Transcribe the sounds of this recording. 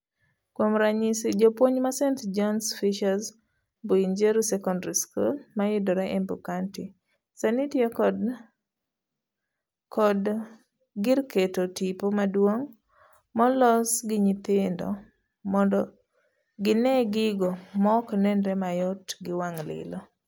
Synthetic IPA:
kwomɾaɲisid͡ʒopwoɲmasɛntd͡ʒɔnsfiʃas | boind͡ʒeɾusɛkɔndɾiskulmajɪdɔɾɛʔɛmbukanti | sanitiɔkd | kʰɔd | ɡɪrketotipomadwoŋ | mɔlɔsɡɪɲɪt̪ɪndɔ̰ | mɔndɔ | ɡɪnɛɡɪɡɔmɔknɛndɾɛmajɔtɡɪwaŋlɪ̰lɔ

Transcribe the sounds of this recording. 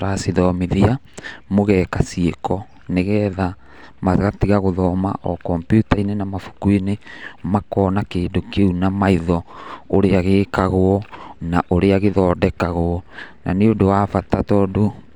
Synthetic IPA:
ɾasiðɔmeðia | moɣɛːkasiekɔ | neɣɛːða | maɣatiɣaɣoðɔːma̰ʔɔkɔmpjutainenamafu̥kuinemakɔːnakeːdokeunamaiðɔoɾeaɣeːkaɣoɔnaʔoɾeaɣeðɔːdɛkaɣoɔnʔa̰neodowafatatɔːdo

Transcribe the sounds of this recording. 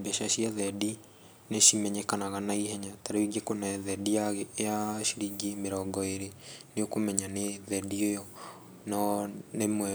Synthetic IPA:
beʃaʃiaðɛdi | neʃimɛɲɛkanaɣanaiɦɛɲataɾeiɡekonɛðɛdijaɣeːjaʃiɾiɡimeɾɔɡɔeɾeneokomɛɲaneðɛdiojɔ | nɔnemwɛ

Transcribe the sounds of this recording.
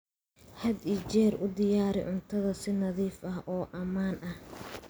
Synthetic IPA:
hɐd̪it͡ʃɛːrʔʊd̪ɪjaːɾɪ̰ʕʊnt̪ʰɐðɐsɪnɐðiːfɐhʔɔːʔɐmaːnʔɐh

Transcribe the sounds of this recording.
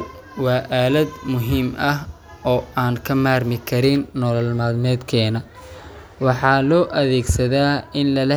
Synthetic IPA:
wɑːʔaːlɐd̪mʊɦiːmʔɐh | ɔːaːŋkʰɐmaːrmɪkʰɐɾɪnːɔlɐlmaːd̪nɛːd̪kʰɛːnɐ | wɑħɑːlɔːʔɐðɛːɡsɐðaːɪnlɐlɐ

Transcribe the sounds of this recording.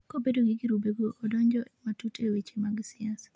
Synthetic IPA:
kobedoɡiɡiɾubeɡoʔɔdɔɲd͡ʒɔʔɛmatutʰewet͡ʃemaɡsɪasḁ

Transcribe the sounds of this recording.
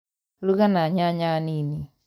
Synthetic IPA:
luɡanaɲaɲanini

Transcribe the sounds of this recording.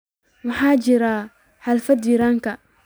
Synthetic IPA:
mʊħaːd͡ʒiɾa | halfad̪iɾaŋka

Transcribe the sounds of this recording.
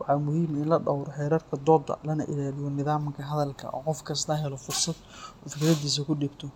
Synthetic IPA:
wɑʕɑmʊhiːmɪnlɐɖɑwɾɔħɛːɾɐːrkʰɐd̪ɔːd̪ɐ̰lɐnɐ̰ʔɪ̰laːlɪjɔnɪðaːmkʰɐɦɐðɐlkʰɐ̰ʔɔ̰ːqɔfkʰɐst̪ʰɐɦɛlɔfʊrsɐd̪̚fkɐɾɐd̪iːs̬ɐkʰʊɖiːbt̪ʰɔ

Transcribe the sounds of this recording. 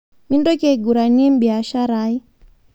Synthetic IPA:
mindɔkiaiɡuɾaniɛm̩biaʃaɾai

